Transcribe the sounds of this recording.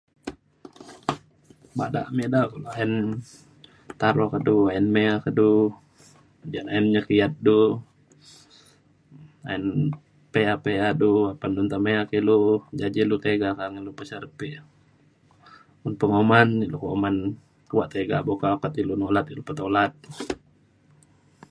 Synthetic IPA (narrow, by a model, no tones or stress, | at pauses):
ba̰da̰ʔmedakulaɛn | t̪aɾokəduajɛnmeakədu | d͡ʒanajɛnɲəkiat̪̚du | a̰ɛn | peapeaduapandunt̪ameakilud͡ʒad͡ʒilut̪eɡakaŋilupəsəɾpiʔ | unpəŋomanilukoman | kuwaʔt̪eɡabokakat̪ilunolat̪ilupət̪olat̪̚